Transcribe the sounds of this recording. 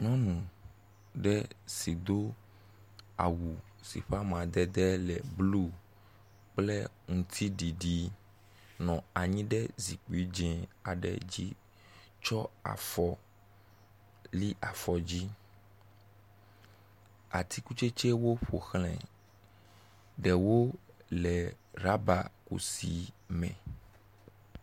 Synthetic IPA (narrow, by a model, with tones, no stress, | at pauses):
ɲɔ̃˦nũ˨ | ɖɛ˦si˨d̪o˦ | a̰˨wu˨ | sḭ˨ɸa˦mã˨d̪ɛ˦d̪ɛ˦lɛ˨blu˦ | k͡plɛ˦ŋũ˨t̪ʰi˦ɖi˨ɖi˨ | nɔ̃˨a˨ɲĩ˦ɖɛ˦zi˨k͡pi˦d͡ʒɛ̃˨a˨ɖɛ̰˨d͡ʑi˦ | t͡ʃɔ˦a̰˨fɔ˨ | li˦ʔa˨fɔ˨d͡ʑi˦ | a̰˨t̪ʰi˦ku˦t͡ʃe˦t͡ʃɛ˦wo˦ɸo˨xlɛ̰̃˨ | ɖɛ˨wo˦lɛ˨ | ɾa˦ba˨kṵ˨si˨mɛ̃˨